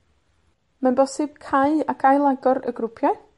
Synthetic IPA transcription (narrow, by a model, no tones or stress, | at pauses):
manbɔsɪb̥̚kʰajakʰajlˠaɡɔɾə̰ɡrʊpʰja